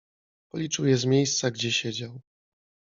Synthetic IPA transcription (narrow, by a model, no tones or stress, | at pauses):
pɔlʲit͡ʂɘwjɛzmʲjejst̪saɡd͡ʑɛɕɛd͡ʑaw